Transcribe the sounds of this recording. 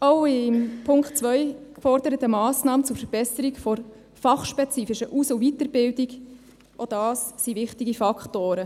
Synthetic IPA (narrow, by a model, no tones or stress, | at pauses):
oʊɪmpʰʊŋktt͡svʋœʏkfɔrd̥əɾətəmɑːsnɑːmət͡sʊɾfəɾb̥ɛsəɾikfɔɾ | fɑχʃpɛt͡siːfɪʃəʔusovitəɾb̥ɪldiɡ | ʔod̥ɑːsːiʋɪχtiɡifɑkχtoːɾə